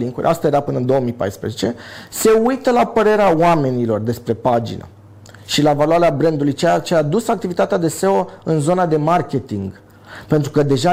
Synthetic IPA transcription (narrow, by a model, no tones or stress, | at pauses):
liŋkṵɾʲʔast̪ae̞ɾapɨnəɨnd̪o̞oəmipa̰jspɾezet͡ʃe̞̰se̞ujt̪əlapəɾe̞ɾeawame̞nilo̞rd̪e̞spɾe̞pad͡ʒḭnə̰ | ʃilavaloaɾeabɾend̪ulujt͡ʃet͡ʃeaːd̪usak̚t̪ivit̪at̪ead̪e̞se̞oɨnzo̞nad̪e̞markʲe̞t̪iŋɡ | pe̞nt̪ɾukəd̪e̞ʒa